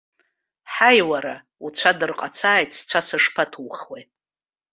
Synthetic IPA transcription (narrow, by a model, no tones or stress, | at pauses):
ħajwaɾa | ut͡ʃʷʰadɨrqʼat͡sʰaːjtʰʼst͡sʷʰasɨʂpʰatʰuwχwe